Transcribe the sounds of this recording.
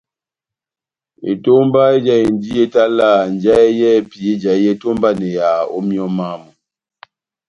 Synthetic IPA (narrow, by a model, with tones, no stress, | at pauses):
ḛ˨to˦mba˦e˦d͡ʒa˦e˨n˦di˦ɛ˦ta˦la˦˨n˨d͡ʒa˦e˦jɛ˦˨pi˨e˦d͡ʒa˨˦jɛ˦to˦mba˦nɛ˨ja˨o̰˦mjɔ˦ma˦mɔ˨